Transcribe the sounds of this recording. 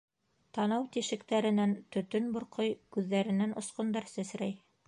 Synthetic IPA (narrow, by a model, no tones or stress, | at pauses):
t̪ɑnɑwt̪iʃɘ̆kt̪æɾɘ̆nænt̪ɵ̆t̪ɵnbŏɾqojkʉðːæɾɘ̆nænŏsqŏnd̪ɑɾsæsɾæj